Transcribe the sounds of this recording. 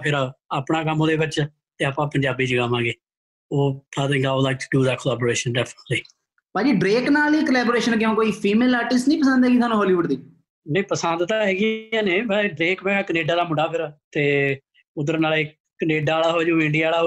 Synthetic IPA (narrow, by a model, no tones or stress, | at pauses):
pʰɪɾaaːpɳãːk̬əmoːd̪eːbət͡ʃa | t̪eːaːpãːpəɲd͡ʒaːbiːd͡ʒikəmːãːɡeː | oːad̪ɪ̃ŋɡaːlaːk̚ɖuːd̪ɛːkəlɛːboːɾeːʃənɖɛːpʰnəʈliː | pãːd͡ʒiːɖɾeːknaːliːkəlɛːboːɾeːʃənkɪõːkoːiːpʰiːmeːlaːʈɪsʈnĩːpəsə̃nd̪ɦɛːɡiːt̪ʰaːnũːɦɔːliːʋʊɖd̪iː | nẽːpəsənd̪t̪aːɦɛːɡɪãːneːbɛɖɾeːkbɛːɡaːkəneːɖaːd̪aːmʊɖaːpʰɪɾt̪eː | ʊd̪əɾnaːle | kəneːɖaːlaːɦoːd͡ʒõːɪ̃ɳɖijaːlaːɦoː